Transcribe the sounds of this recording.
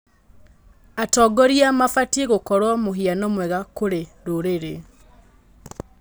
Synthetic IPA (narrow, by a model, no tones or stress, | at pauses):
atɔɡɔɾiamafatieɣokɔɾwɔmoɦianɔmwɛɣakoɾeɾoɾeɾe